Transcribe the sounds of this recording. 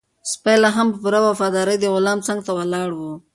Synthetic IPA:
spajlaɦampəpuɾawafɑd̪ɑɾəjd̪əɣʊlɑmt͡saŋɡt̪awalɑɽwu

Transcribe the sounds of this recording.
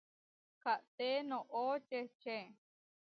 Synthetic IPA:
kʰaʔt̪enõʔot͡ʃet͡ʃẽ

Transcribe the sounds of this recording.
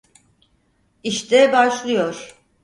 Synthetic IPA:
iʃt̪ʰɛbaʃlˠɯjo̞ɾ̥

